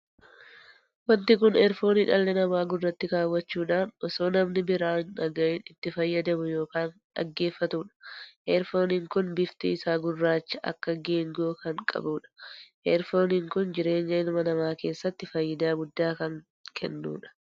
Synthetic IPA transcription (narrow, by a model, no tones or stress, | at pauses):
wɐnt̪ɪkʊnɛɾfo̞ːniᶑɐlːɛnɐmaːɡʊrːɐt̪ːɪkaːwːɐt͡ʃːuːᶑaːnɔsoːnɐmnɪbɪɾaːnɐɡɐɪnɪt̪ːɪfɐjːɐd̪ɐmʊjo̞ːkaːnᶑɐ̰ɡːe̞ːfːɐt̪uːᶑɐ̥ʔɛɾfo̞ːniːŋkʊnbɪft̪ḭːɪsaːɡʊrːaːt͡ʃːɐʔɐ̰kːɐɡe̞ːŋɡo̞ːkɐŋkʼɐ̰buːᶑɐ̥ʔɛɾfo̞ːniːŋkʊnd͡ʒɪɾe̞ːɲːɐɪnʊmɐnɐmaːke̞ːsːɐt̪ːɪfɐjːɪd̪aːɡʊd̪ːaːkɐŋ | kʰɛ̰nːṵːᶑɐ̥